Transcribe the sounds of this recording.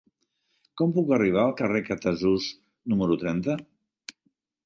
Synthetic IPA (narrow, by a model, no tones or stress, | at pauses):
kɔmpukəriβ̞aəlˠkərekət̪əzuz | numəɾut̪ɾɛnt̪ə